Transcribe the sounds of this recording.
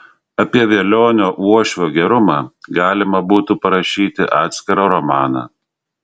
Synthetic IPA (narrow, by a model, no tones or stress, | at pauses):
ɐpʲiɛʋʲeɛlʲoːnʲoːʔuɔʃʲʋʲoːɡʲɛɾʊmɑːɡɑːlʲɪmɐbuːt̪upɐɾɐʃʲiːt̪ʲɪʔɑːt̪sʲkʲɪɾɐɾɔmɑːnɑ̰